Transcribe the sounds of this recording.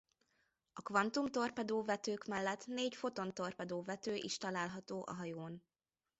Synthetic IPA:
ɒkvɒnt̪umt̪o̞rpɛd̪oːvɛt̪øːkmɛlːɛt̪neːɟfo̞t̪o̞nt̪o̞rpɛd̪oːvɛt̪øːʔḭʃt̪ɒlaːlɦɒt̪oːʔɒ̰ɦɒjoːn

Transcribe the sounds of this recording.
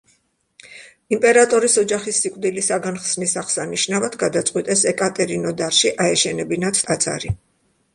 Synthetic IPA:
impʼɛɾat̪ʼɔɾisɔd͡ʒaχisːikʼvd̪ilisaɡanχsnisaχsaniʃnavad̪ɡad̪at̪sʼqʼwit̪ʼɛsɛkʼat̪ʼɛɾinɔd̪aɾʃiʔaɛʃɛnɛbinat̪ʰt̪ʼat̪sʰʼa̰ɾi

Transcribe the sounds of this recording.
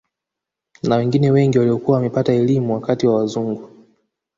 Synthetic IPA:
nawɛŋɡinɛwɛŋɡiwaliɔkuawamɛpataɛlimuwakatiwawazuŋɡu

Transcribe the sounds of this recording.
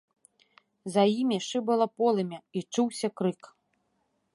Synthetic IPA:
zɐjimʲiʂɨbɐlˠɐpɔlˠɐmʲɛit͡ʂuwsʲɐkɾɨk

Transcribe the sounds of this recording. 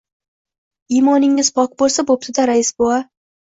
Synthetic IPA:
ijmɒnɪŋːɪz̥pʰɒkbolˠsabop̚t̪ʰɪd̪aɾaɪsboa

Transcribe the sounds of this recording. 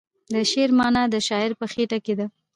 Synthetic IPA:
d̪əʃeɾmɑnad̪əʃɑɪɾpəxeʈaked̪a

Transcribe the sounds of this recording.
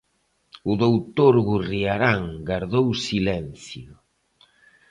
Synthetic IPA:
ʊðowt̪oɾɣuriaɾaŋɡaɾðowsilɛnθjʊ

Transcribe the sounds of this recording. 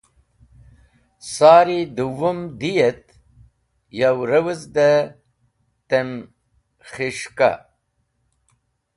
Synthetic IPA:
saːɾid̪uwumd̪ijet̪ | jawɾɐwəzd̪a | t̪em | χiʂka̰

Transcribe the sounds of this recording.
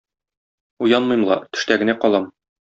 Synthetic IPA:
ujɑnmɤjmlˠɑ̰t̪ɵ̥̆ʃt̪æɡɘ̆næqɒlˠɑm

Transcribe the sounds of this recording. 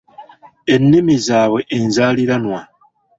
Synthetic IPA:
e̞nːimizaːβwe̞ʔenzaːliɾanwa

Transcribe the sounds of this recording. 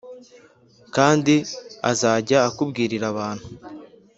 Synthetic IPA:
kaːndiazaːɟaːkubɡiːɾiɾaβaːn̥u

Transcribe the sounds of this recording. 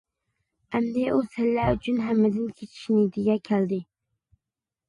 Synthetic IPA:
æmd̪eusɪlːæyt͡ʃʰynɦæmːɪd̪ɪnkʲʰet͡ʃʰɪ̥ʃnɪd̪ɪɡʲɛkʲʰæld̪ɪ

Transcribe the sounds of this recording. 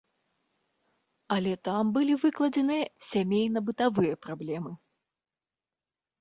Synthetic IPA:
ɐlʲɛt̪ambɨlʲivɨklˠɐd͡zʲɛnɨjɐsʲamʲejn̪ɐbɨt̪avɨjɐpɾablʲɛmɨ

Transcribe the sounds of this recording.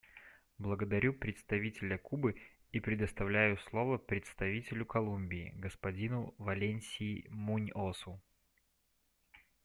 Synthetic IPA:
blˠəɡəd̪ɐɾʲupɾʲɪt̪st̪ɐvʲitʲɪlʲəkubɨ | ipɾʲɪd̪əst̪ɐvlʲæjʊslˠo̞vəpɾʲɪt̪st̪ɐvʲitʲɪlʲʊkɐlˠumʲbʲɪ̰ːɡəspɐdʲinʊvɐlʲenʲsʲɪmunʲosʊ

